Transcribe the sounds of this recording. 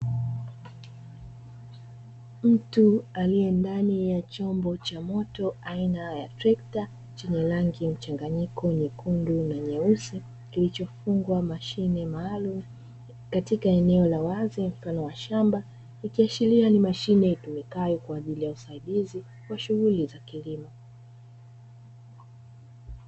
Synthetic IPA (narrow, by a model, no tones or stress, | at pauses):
m̩tualijɛndanijat͡ʃɔmbɔt͡ʃamɔtɔainaja̰tɾɛkta | t͡ʃɛɲɛlaŋɡim̩t͡ʃaŋɡaɲikʰɔnikundunaɲɛusɛ | kilit͡ʃɔfuŋɡwamaʃinɛmaːlum̩ | katikaɛnɛɔlawazim̩fanɔwaʃamba | ikiaʃilianimaʃinɛitumikajɔkwaːʄilijausaiɗizi | waʃuɣulizakilimɔ